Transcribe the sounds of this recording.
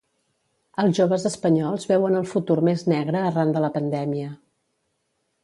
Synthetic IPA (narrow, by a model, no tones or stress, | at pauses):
əlˠzʒoβəzəspəɲɔlˠzβɛwənəlˠfut̪urmeznɛɣɾəːrand̪ələpənd̪ɛmiə